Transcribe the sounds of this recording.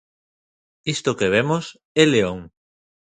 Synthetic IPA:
ist̪okeβ̞emos | eleoŋ

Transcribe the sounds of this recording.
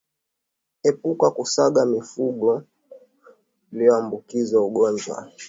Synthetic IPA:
ɛpukakusaɠamifuɡɔ | iliɔambukizauɠɔɲd͡ʒwa̰

